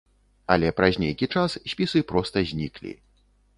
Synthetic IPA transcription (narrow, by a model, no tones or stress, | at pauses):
ɐ̰lʲɛpɾazʲnʲejkʲit͡ʂassʲpʲisɨpɾɔst̪ɐzʲnʲḭklʲḭ